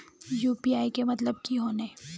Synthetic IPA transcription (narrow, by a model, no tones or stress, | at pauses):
juːpiːaːikemɐt̪ləb̚kiɦoːne